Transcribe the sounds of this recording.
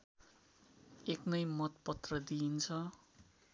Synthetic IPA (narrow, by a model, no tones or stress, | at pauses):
eknʌjmʌt̪̚pʌt̪rʌd̪int͡sʰʌ